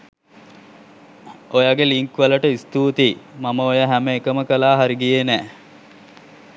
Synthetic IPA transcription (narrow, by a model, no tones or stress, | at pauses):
ojaɡeliŋkʋələʈəist̪uːt̪imaməojaɦæməekəməkəlaːɦaɾiɡijenæː